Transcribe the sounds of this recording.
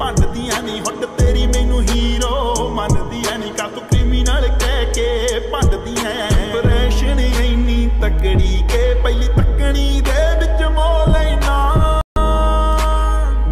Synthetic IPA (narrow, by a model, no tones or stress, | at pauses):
pə̃ɖd̪iːɛ̃ːnĩːɦəʈt̪eːɾiːmẽːnũːɦiːɾoːmənd̪iːɛ̃ːnĩːkat̪okɾɪmɪnəlkɛːkeːpəɖd̪iːɛ̃ːpɾeːʃənəiniːt̪əkɽiːkeːpəiliːt̪əkɽiːd̪eːʋɪt͡ʃmoːlenaː